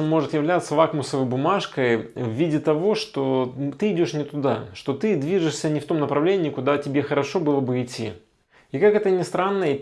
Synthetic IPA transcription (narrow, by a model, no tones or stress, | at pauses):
nmo̞ʐɨt̪jɪvlʲat̪sːəvakmʊsəvəjbʊmaʂkəjvːʲidʲɪt̪ɐvo̞ʂt̪ot̪ɨɪdʲo̞ʂnʲɪt̪ʊd̪aʂt̪o̞t̪ɨd̪vʲiʐɨʂsʲənʲɪft̪o̞mnəpɾɐvlʲenʲɪːkʊd̪atʲɪbʲe̞xəɾɐʂo̞bɨlˠəbɨɪtʲʰːḭ | ikakɛt̪ənʲɪst̪ɾanːə